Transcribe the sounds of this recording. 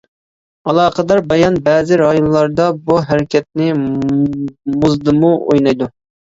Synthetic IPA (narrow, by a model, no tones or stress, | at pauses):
ɑlˠɑːqəd̪ɑɾbɑjɑnbɛːzɪɾɑjonlˠɑɾd̪ɑbuɦɛɾɪkʲʰɛt̪̚nɪ | muzd̪ɨmuo̰jnɑjd̪u